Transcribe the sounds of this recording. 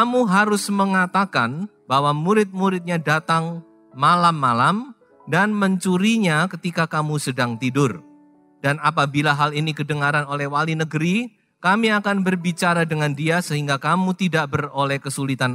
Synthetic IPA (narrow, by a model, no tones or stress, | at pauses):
amuɦaɾʊsməŋat̪akan | bawamuɾɪt̪̚muɾɪt̪̚ɲadat̪aŋ | malamːalam | danməɲt͡ʃuɾiɲakət̪ikakamusədaŋt̪idʊr | danapabilaɦalinikədəŋaɾanolɛhwalinəɡəɾi | kamiakanbərbit͡ʃaɾadəŋandiasəɦiŋɡakamut̪idaʔbərolɛhkəsulit̪an